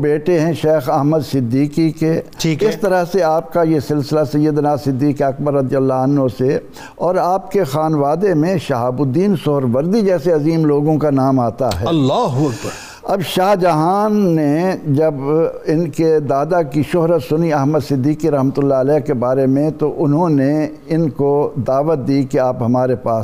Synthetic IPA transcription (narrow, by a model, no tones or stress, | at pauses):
beːʈeɦɛ̃ʃeːxɐɦməd̪sɪd̪ːiːkikeʈʰiːkɪst̪ɐɾəɦseaːp̚kajesɪlsɪlasɐjːəd̪naːsɪd̪ːiːkiɐk̚bəɾːɐd̪ijəlːaɐnɦose | ɔːɾaːp̚kexaːnʋaːd̪emẽʃɐɦaːbʊd̪iːnsʊɦɾʋɐɾd̪id͡ʒɛːseɐziːmloːɡõkanaːmaːt̪a̰ɦɛ̰ːɐlːaːɦʊɐk̚bɐɾ | ɐbʃaːɦd͡ʒɐɦaːnːed͡ʒɐbɪnked̪aːd̪akiʃʊɦɾət̪sʊniɐɦməd̪sɪd̪ːiːkiɾɐɦmət̪ʊlːaɐlɛːkebaːɾemẽt̪oʔʊnɦõne | ɪnkod̪aːʋət̪̚d̪iːkeaːpɦɐmaːɾepaːs